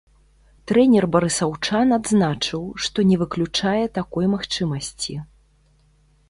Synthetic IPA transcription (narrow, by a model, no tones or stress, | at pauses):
t̪ɾɛnʲɛrbɐɾɨsawt͡ʂanad̪znat͡ʂɨwʂt̪ɔnʲɛvɨklʲut͡ʂajɛt̪akɔjmaxt͡ʂɨmɐsʲt͡sʲi